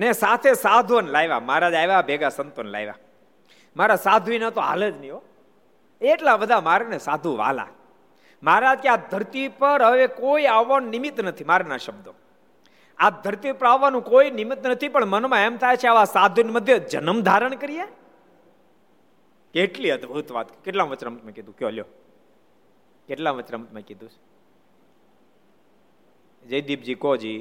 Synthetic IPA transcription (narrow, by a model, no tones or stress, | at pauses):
nesat̪ʰesad̪ʱuənlajʋa̰maɦɾad͡ʒajʋabʱeɡasənt̪onla̰jʋa̰ | maɾasad̪ʱuinat̪oa̰ləd͡ʒnəio | eːʈlabəd̪ʱamaɾanesad̪ʱuʋa̰la̰ | maɾad͡ʒkead̪ʱəɾt̪ipəɾɦəʋekoiaʋːannɪmɪt̪nət̪ʰimaɾanaʃəbd̪o̰ | ad̪ʱəɾt̪ipəɾaʋːanũkoinimɪt̪nət̪ʰipəɳmənomãemt̪ʰajt͡ʃʰeaʋasad̪ʱoniməd̪ʱjəd͡ʒə̰nəmd̪ʱaɾəɳ̃kəɾije | keeʈliəd̪bʱut̪ʋa̰t̪̚kəkeʈlãʋət͡ʃnamt̪mẽkid̪ũkjoljo̰ | keʈlãʋət͡ʃnamt̪mẽkid̪ʱũt͡ʃʰ | d͡ʒəjd̪ibd͡ʒikod͡ʒi